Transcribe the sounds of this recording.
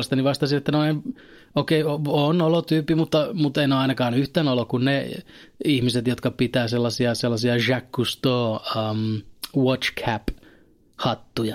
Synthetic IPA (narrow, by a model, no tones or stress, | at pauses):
est̪ɑniʋɑst̪ɑsinet̪ːænoin | okeioonolot̪yːpːimut̪ːɑmut̪ːeinoɑinɑkɑːnyht̪æːnolokunne | ihmiset̪jot̪kɑpit̪æːselːɑsiɑselːɑsiɑʒækːust̪oːəmwot͡ʃkʰæp | hɑt̪ːujɑ